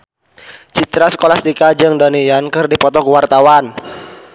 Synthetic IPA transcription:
t͡ʃit̪ɾasə̥kolast̪ikad͡ʒɨŋdonijankɨrdipɔt̪ɔkəwart̪awan

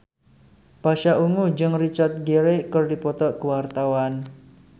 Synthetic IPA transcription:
b̥aʃaʔuŋud͡ʒɨŋrit͡ʃart̪̚ɡeɾekərdipɔt̪ɔʔkəwart̪awan

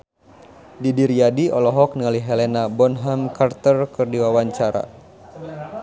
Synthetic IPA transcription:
didiɾiadiɔlɔɦɔk̚nəŋaliɦɛlɛnabɔnɦamkʰart̪ərkɨrdiwawaɲt͡ʃaɾa̰

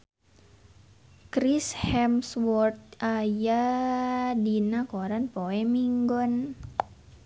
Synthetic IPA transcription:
kɾishɛmswɔrt̪̚aja | dinakoɾanpoɛmiŋɡɔn

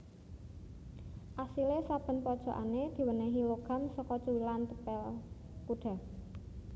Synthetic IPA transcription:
ʔasilesab̥ə̤npɔd̥ʒ̥ɔ̤ʔa̰ned̪̥i̤wənɛɦiloɡ̥a̤msɔkɔt͡ʃuwilant̪əpɛl | kuɖ̥a̤

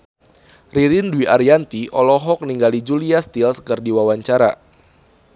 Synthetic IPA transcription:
riɾɪnduwiaɾiant̪iʔɔlɔɦɔk̚niŋɡalid͡ʒuliast̪ilskərdiwawaɲt͡ʃaɾa

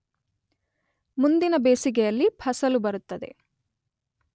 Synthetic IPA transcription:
mund̪inɐbe̞ːsiɡɛjɐlːipʰɐsɐlubɐɾut̪ːɐd̪ḛ

